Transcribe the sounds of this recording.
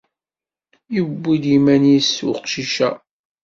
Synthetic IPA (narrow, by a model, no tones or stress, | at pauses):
jəbːid̪imænjisːuqʃiʃæ